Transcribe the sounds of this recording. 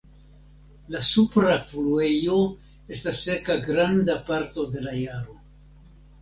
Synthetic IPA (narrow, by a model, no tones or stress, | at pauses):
lasupɾaflue̞jo̞ | e̞stasːe̞kaɡɾandapaɾto̞de̞lajaɾo̞